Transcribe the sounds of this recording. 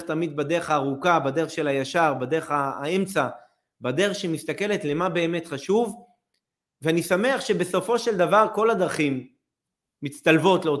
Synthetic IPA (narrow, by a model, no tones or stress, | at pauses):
t̪amid̪̚bade̞ʁeχaːʁukabadeʁeχʃe̞lajaʃaʁbadeʁeχaemt͡sa | badeʁeχʃemist̪ake̞letle̞mabe̞ːme̞tχaʃuv | veanisame̞aχʃe̞be̞so̞fo̞ʃeld̪avaʁko̞lad̪ʁaχimː | it͡st̪alvo̞tleo